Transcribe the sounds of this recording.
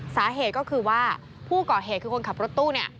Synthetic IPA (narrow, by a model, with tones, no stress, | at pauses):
saː˩˦ɦeː˨˩t̪̚kɔː˥˩kʰɯː˧waː˥˩ | pʰuː˥˩kɔː˨˩ɦeː˨˩kʰɯː˧ko˧nkʰa˨˩pɾo˦˥t̪ːuː˥˩ni˦˥˩ɐ